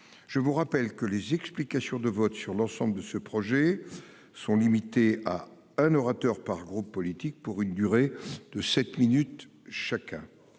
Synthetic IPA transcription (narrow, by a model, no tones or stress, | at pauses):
ʒ̥əvuʁapɛlkəlezɛksplikasjɔ̃d̪əvɔt̪syʁlɑ̃sɑ̃bləd̪əsəpχɔʒɛ | sɔ̃limit̪ea̰ | ɛ̃nɔʁat̪œʁpaʁɡʁupːɔlit̪ik̚puʁynd̪yʁed̪̥əsɛt̪minyt̪ | ʃakʲɛ̃